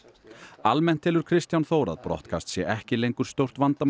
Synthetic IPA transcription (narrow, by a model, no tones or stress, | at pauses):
almɛn̥t̪ʰːɪlʏɾ̥kʰɾɪst̪janθoːwɾa̰ðpɾɔ̰ht̪̚kʰa̰st̪sjɛʔɛhcɪlejŋkʏɾ̥st̪owr̥t̪vant̪a